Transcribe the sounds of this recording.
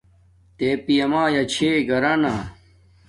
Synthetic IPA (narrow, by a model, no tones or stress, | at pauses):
t̪eːpijɐmaːjɐt͡ɕʰeːɡɐɾɐna